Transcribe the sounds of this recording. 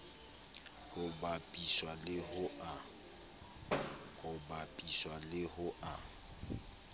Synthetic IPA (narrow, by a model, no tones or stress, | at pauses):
hʊbapʼiswalɪɦʊʔa | hʊbapʼiswalɪhʊʔa